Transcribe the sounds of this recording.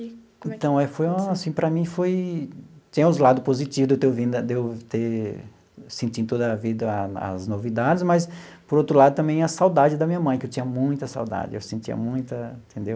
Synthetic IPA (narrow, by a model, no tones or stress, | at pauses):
ẽt̪ɐ̃w̃ɛfojũmasĩpɾɐmĩfoj | t͡ʃĩɲɐ̃ʊzlad̪ʊpozit͡ʃivʊd̪ewt̪ewvĩnd̪ɐd̪ewt̪e | sẽnt͡ʃ̪ĩd̪ʊt̪od̪ɐvid̪ɐɐ̰znovid̪ad͡ʒɪzmɐspoɾowt̪ɾʊlad̪ʊt̪ɐ̃mbẽj̃ɐsawd̪ad͡ʒɪd̪ɐmĩɲɐmɐ̃j̃kɪewt͡ʃĩɲɐmũj̃t̪ɐsa̰wd̪a̰d͡ʒɪḛwsẽnt͡ʃ̪iɐ̰mũj̃t̪ɐẽt̪ʰẽnd̪ew